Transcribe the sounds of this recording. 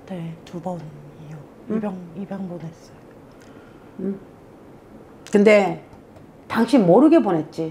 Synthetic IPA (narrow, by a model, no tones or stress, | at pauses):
ne̞tubʌnijo | ibjʌŋibjʌŋbones͈ʌjo | kɯnde̞ | taŋɕʰimʌɾɯɡe̞bone̞t̚t͡ɕ͈i